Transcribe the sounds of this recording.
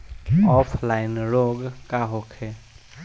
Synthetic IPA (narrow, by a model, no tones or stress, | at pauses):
ɔpʰlaɪnɾoɡkaɦokʰe